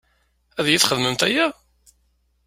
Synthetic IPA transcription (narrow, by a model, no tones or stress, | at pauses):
æðjiθχəðməmt̪æjæ